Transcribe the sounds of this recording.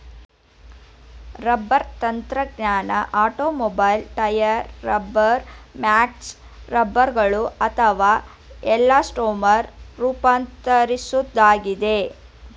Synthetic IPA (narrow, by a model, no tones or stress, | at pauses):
ɾɐbːɐɾt̪ɐnt̪ɾɐɡɲaːnɐʔaːʈoːmɔbɐjlʈɐjɐɾːɐbːɐɾmaːks | ɾɐbːɐɾɡɐɭuɐt̪ʰɐʋaː | ɛlːaːsʈoːmɐɾɾuːpaːnt̪ɐɾisud̪ːaːɡid̪e̞